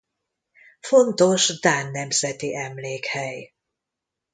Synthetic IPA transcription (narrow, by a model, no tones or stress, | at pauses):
fo̞nt̪o̞ʃd̪aːnːɛmz̥ɛt̪iʔɛmleːkhɛj